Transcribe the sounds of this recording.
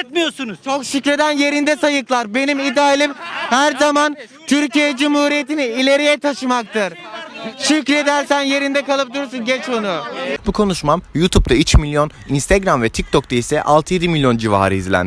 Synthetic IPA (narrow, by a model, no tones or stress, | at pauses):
t̪mijosunuzt͡ʃʰo̞kʃycɾe̞d̪ænje̞ɾind̪ɛsajɯklˠaɾbe̞nimid̪aːilʲimhæɾzaman | t̪ʰyɾcijɛd͡ʒumhuːɾijet̪iniːlʲe̞ɾijɛt̪ʰaʃɯmak̚t̪ʰɯɾ̥ʃycɾed̪æɾsænje̞ɾind̪ɛkalˠɯp̚d̪uɾs̬unɟɛt͡ʃo̞nubukʰo̞nuʃmamjut̪ʰup̚t̪ʰayt͡ʃmilʲjo̞n | inst̪ʰeɡɾamvɛt̪ʰic̚t̪ʰok̚t̪ʰaisɛʔalˠt̪ʰɯje̞d̪imilʲjo̞nd͡ʒiva̰ːɾɯizlʲæ̰n